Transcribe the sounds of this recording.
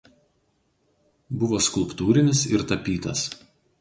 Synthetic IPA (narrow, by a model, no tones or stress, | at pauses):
bʊʋoːskʊlˠpt̪uːɾʲɪnʲɪsɪɾt̪ɐpʲiːt̪ɐ̰s